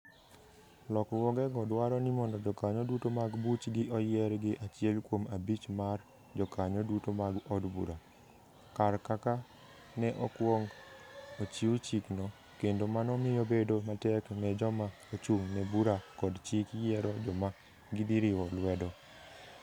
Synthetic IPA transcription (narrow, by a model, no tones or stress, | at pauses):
lɔkwɔɡɛɡɔdwaɾɔnimɔndɔd͡ʒɔkaɲɔdutomaɡbut͡ʃɡɪʔɔjɛɾɡɪʔat͡ʃɪɛlkwomabit͡ʃmar | d͡ʒɔkaɲɔdutomaɡɔdbṵɾa | karkaka | nɛʔɔkwoŋ | ot͡ʃiut͡ʃiknɔ | kendomanɔmɪjobedomatɛknɛd͡ʒɔma | ot͡ʃuŋnɛbuɾakɔdt͡ʃikjɛɾɔd͡ʒɔma | ɡɪd̪iɾɪwɔlwɛdɔ